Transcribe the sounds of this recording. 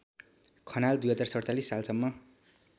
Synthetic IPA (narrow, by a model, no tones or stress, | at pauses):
kʰʌnald̪ujɦʌd͡zarsʌrt͡salisːalsʌmːʌ